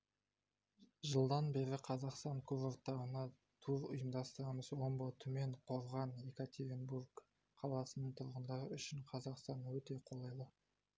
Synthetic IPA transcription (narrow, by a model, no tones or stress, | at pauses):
ʒəlˠd̪ɑnbe̞ɾɪqʰɑzɑqst̪ɑŋkʰʊɾoɾt̪ɑɾənɑ | t̪ʰuɾʊ̰jəmd̪ɑst̪əɾɑməzwo̞mbot̪ʰʊme̞ɴqʰo̞ɾʁɑnjekat̪ʲeɾʲenburɡ | qʰɑlˠɑsənəɴt̪ʰʊɾʁənd̪ɑɾəʏʃɪɴqʰɑzɑqst̪ɑnwɵt̪e̞qʰo̞lˠɑjlˠə